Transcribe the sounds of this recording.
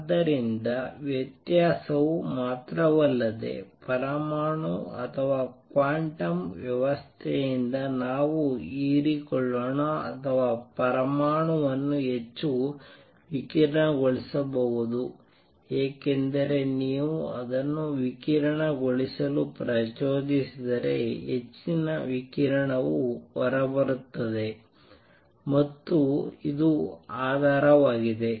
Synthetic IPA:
d̪ɐɾind̪ɐʋjɐt̪jaːsɐʋumaːt̪ɾɐʋɐlːɐd̪ḛpɐɾɐmaːɳuɐ̰t̪ʰɐʋaːkʋaːɳʈɐmʋjɐʋɐst̪ʰɛjind̪ɐnaːʋuiːɾikɔɭːoːɳɐɐ̰t̪ʰɐʋaːpɐɾɐmaːɳuʋɐnːuɦet͡ʃːu | ʋikiːɾɐɳɐɡoɭisɐbɐɦud̪u | eːke̞nd̪ɐɾe̞niːʋuɐd̪ɐnːuʋikiɾɐɳɐɡoɭisɐlupɾɐt͡ʃoːd̪isid̪ɐɾe̞̰ɦet͡ʃːinɐʋikiɾɐɳɐʋuʋɐɾɐbɐɾut̪ːɐd̪e̞ | mɐt̪ːuid̪uaːd̪ʱaːɾɐʋaːɡid̪e̞

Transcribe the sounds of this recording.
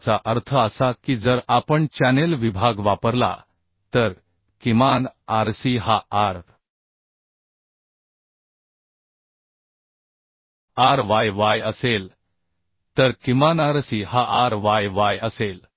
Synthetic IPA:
t͡saʔəɾt̪ʰəəsakiːd͡zəɾapəɳt͡ɕænelʋibʱaɡʋapəɾla̰ | t̪əɾ | kimanaɾsiɦaaɾ | aɾʋajʋajəsel | t̪əɾkimanaɾsiːhaʔaɾʋajʋajəsel

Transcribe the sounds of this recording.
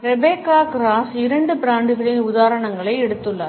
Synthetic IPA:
ɾɛbeːkːaːkɾaːsɪɾɐɳɖɯpɪɾaːɳɖɯɣɐɭɪnʊðaːɾɐɳɐŋɡɐɭɐɪɛɽɯt̪ːɯɭːɐ

